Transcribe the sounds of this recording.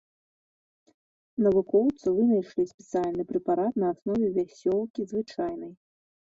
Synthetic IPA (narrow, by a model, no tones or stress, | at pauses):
nɐvukɔwt̪sɨvɨnɐjʂlʲisʲpʲɛt̪sɨalʲnɨpɾɛpaɾat̪nɐːsnɔvʲɛvʲasʲɔlˠkʲizvɨt͡ʂajnɐj